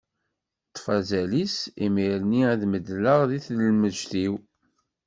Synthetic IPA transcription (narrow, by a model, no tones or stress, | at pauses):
t̪ˤːfæzælisimiɾniæðməd̪ləʁðiθləlməʒθiw